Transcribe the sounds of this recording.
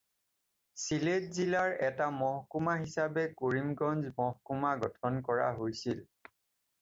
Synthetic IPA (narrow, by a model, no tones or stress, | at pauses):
siletzilaɹɛtamɔɦkumaɦisabɛkoɹimɡɔnzmɔɦkumaɡɔtʰɔnkɔɹa̰ɦojsil